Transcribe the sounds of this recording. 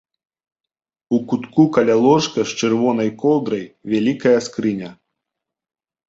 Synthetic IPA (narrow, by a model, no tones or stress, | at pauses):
ukut̪kukɐlʲalˠɔʂkɐʂt͡ʂɨrvɔnɐjkɔlˠd̪ɾɐjvʲalʲikɐjɐskɾɨnʲɐ